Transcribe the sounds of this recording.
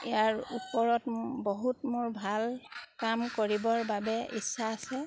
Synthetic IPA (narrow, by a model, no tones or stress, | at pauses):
iaɹupɔɹɔtboɦutmoɹbʱalkamkoɹibɔɹbabɛʔḭsːaːsɛ